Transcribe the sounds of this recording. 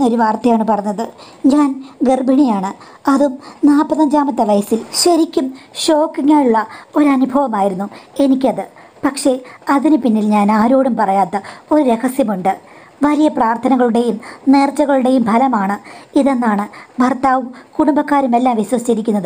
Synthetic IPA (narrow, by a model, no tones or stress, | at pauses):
o̞ɾuʋaːrt̪ːɐjaːɳɨpɐrɐɲːɐðɨ | ɲaːnɡerbʱiɳijaːɳɨ | ɐðumnaːpɐðɐɲd͡ʑaːmɐt̪ːɐʋɐjɐsilɕɐɾikʲːumɕo̞ːkːiŋːaːɭuɭːɐo̞ɾuɐnubʱɐʋɐmaːjiɾunːue̞nikʲːɐðɨ | pɐkʂe̞ɐðinɨpinːilɲaːnaːɾo̞ːɽɐmpɐrɐjaːt̪ːɐo̞ɾuɾe̞hɐsjɐmuɳɖɨ | ʋɐlijɐpraːrt̪ʰɐnɐɣɐɭuɽe̞jumneːrt͡ɕːɐɣɐɭuɽe̞jumbʱɐlɐmaːɳɨiðe̞nːaːɳɨbʱɐrt̪aːʋumkuɽumbɐkːaːɾume̞lːaːmʋiɕwɐsit͡ɕiɾikʲːunːɐðɨ